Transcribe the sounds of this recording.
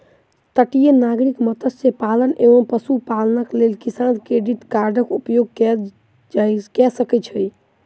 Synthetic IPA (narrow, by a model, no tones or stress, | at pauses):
t̪əʈijenaɡɾikmət̪əsepaləneʋəmpəsupalnəklelkisankɾeɖiʈkaɾɖʱəkupjoɡ̚kɛ | kɛsəkɛt͡ʃʰəj